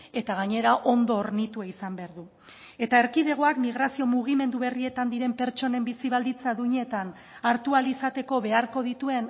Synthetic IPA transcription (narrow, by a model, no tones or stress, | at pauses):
e̞t̪aɣ̞aɲe̞ɾaʔo̞nd̪o̞ːɾnit̪uaisambe̞aɾðu | e̞t̪aeɾkiðe̞ɣ̞o̞akmiɣ̞ɾasio̞muɣ̞ime̞nd̪uβe̞rie̞t̪and̪iɾe̞mpe̞ɾt͡ʃo̞ne̞mbisiβ̞ald̪it͡saðuɲe̞t̪an | aɾt̪ualisat̪e̞ko̞βe̞aɾko̞ðit̪ue̞n